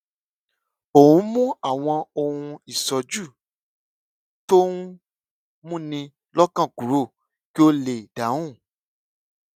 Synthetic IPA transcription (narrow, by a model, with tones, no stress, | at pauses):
o˨ũ˨˦mũ˦a˦˨w̃ɔ̃˧o˧hũ˧i˨sɔ˧d͡ʒu˦˨ | to˦ũ˦ | mũ˦nĩ˧ | lɔ˦kã˦˨kũ˨˦ɾo˦˨ | ki˦o˦le˦˨dã˨˦ũ˦˨